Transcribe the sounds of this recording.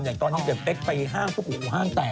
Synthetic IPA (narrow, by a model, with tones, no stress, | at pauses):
njaː˨˩ŋt̪ɔː˧nːi˦˥te˨˩p̚le˦˥k̚pa˧jɦaː˥˩ŋpʰu˥˩kʰuː˨˩kuː˨˩ɦaː˥˩ŋt̪ɛː˨˩